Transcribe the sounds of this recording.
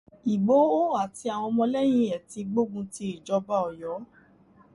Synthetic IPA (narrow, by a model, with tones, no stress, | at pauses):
i˨ɡ͡bo˨˦o˦a˨ti˧a˨w̃ɔ̃˧mɔ̃˧lɛ˦j̃ĩ˦ɛ˨ti˧ɡ͡bo˦ɡũ˧ti˧˦i˨d͡ʒɔ˧ba˦ɔ˨jɔ˨˦